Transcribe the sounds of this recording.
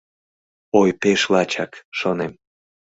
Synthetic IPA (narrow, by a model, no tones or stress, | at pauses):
ojpeʃlɑt͡ɕɑkʃonem